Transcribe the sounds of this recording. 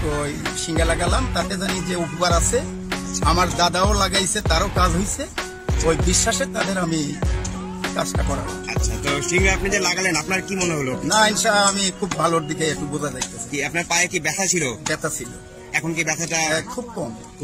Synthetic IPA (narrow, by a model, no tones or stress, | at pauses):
ojʃiŋɡalaɡalamt̪ak̪ed͡ʑanid͡ʑeopukaɾasʰe | amaɾd̪ad̪aolaɡajsʰet̪aɾokad͡ʑɦojsʰe | ojbiʃːaʃet̪ad̪eɾami | kasʈakɔɾa̰a̰t͡ɕʰat̪oʃiŋɡaapnid͡ʑalaɡalenapnaɾkimoneɦolonainʃaamikʰubːʱaloɾd̪ikeek̚ʈubod͡ʑad̪ajt̪esʰi̥kiapnaɾpajekibɛt̪ʰat͡ɕʰilobɛt̪ʰat͡ɕʰil | ɛkʰonkibɛt̪ʰaʈaɛkʰub̚kɔm